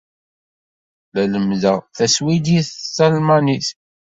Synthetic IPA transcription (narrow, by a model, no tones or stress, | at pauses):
læləmðæθæswid̪iθsælmaniθ